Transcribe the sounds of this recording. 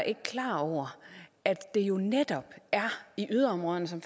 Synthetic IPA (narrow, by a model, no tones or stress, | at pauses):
ʔe̝ɡ̥əkʰlɑ̰̈ːɒʊ̰ɐæd̥ːe̝jo̝ned̥ɒ̽b̥æɐiʔyð̞ˠɐɒ̽mʁɔ̽ðˠənəsɒ̽mf